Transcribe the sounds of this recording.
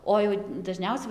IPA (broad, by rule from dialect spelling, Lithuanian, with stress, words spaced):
ˈoː jɛʊ dɐˈʒʲnʲɛʊsʲɛ